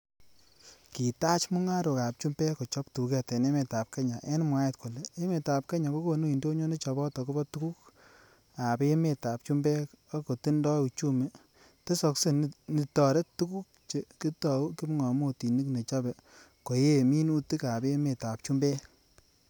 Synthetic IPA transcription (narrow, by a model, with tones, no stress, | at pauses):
ki˨ta˦t͡ʃmu˦ŋa˦ɾo˨ka˨p̚t͡ʃu˦mbe˦ko˨t͡ʃɔ˦ptu˨ke˦te˨ne˦me˨ta˨p̚ke˦ɲa˨ʔe˦n˦mwa˦je˦tko˨le˨e˦me˨ta˨p̚ke˦ɲa˨ko˦ko˦nu˦i˨ndo˦ɲo˦ne˦t͡ʃɔ˨bɔ˦tɔ˨ko˦bɔ˦tu˦ku˦k | a˨be˦me˦˨ta˨p̚t͡ʃu˦mbɛ˦ | a˦ko˨ti˦ndɔ˦u˨t͡ʃu˦me˨ | te˦sɔ˧kse˦ni˨tɔ˨ɾe˦ttːu˦ku˦k̚t͡ʃe˨ki˦tɔ˨u˦ki˦m˦ŋɔ˨mo˦ti˨ni˦kne˨t͡ʃa˦be˨ | ko˨je˦˨mi˦nu˦ti˦ka˨be˦me˨ta˨p̚t͡ʃu˦mbe˦